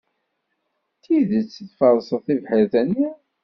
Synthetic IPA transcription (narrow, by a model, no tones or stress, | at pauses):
θiðət͡sːəθfɑɾˤsˤəθivħəɾθænːi